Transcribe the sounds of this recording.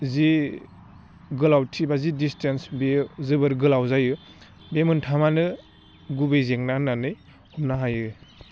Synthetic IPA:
zi | ɡɯlawtʰibazidistʰensbezɯbɯɾɡɯlawzajɯ | bemɯntʰamanɯ | ɡubejzeŋnananɯj | umnaɦajɯ

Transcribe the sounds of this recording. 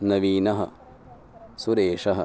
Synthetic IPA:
nɐʋiːnɐɦɐ̰ | suɾeːʂɐɦɐ̰

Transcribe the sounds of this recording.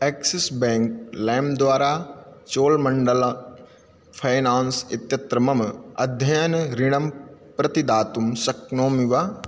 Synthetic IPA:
eːksɪsbɛ̃ːŋklɛ̃ːmd̪ʋaːɾaːt͡ʃoːlmɐ̃ɳɖəl | pʰajnaːnsɪt̪jɐt̪ɾɐmɐmɐd̪ʱjɐjɐnɾɪɽ̃ɐmpɾɐt̪id̪aːt̪umsɐknoːmiʋa

